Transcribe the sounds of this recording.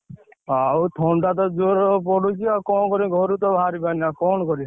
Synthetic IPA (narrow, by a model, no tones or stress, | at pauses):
aut̪ʰɔɳɖat̪̬ɔd͡ʒoɾpɔɽut͡ʃʰiakɔ̃kɔɾĩɡʱɔɾut̪ɔbʱaɾibaniakɔnɔkɔɾĩ